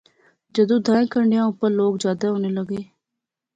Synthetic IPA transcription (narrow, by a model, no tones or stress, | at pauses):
d͡ʒəd̪õːd̪ãːẽːkʰəɳɖejãːʊpːəɾloːkd͡ʒjaːd̪aːɦoːneːləɡeː